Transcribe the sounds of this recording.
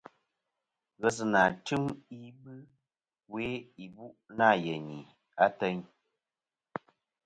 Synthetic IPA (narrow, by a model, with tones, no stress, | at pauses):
ɣə˨s̬ɨ˨na˨tɨ˦mi˦bɨ˦ | we˦i˨bu˦ʔna˦˨je˨ɲi˨ | a˦tə˦ɲ